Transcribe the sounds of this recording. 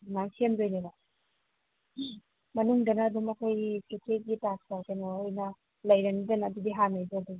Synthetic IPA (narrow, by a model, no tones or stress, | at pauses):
naŋsʰemdojneba | mɐnuŋdɐnɐːdumɐkʰojketʰeɡitak̚sakajnoojnɐ | lɐjɾɐnidɐnɐːdudiɦanajbodu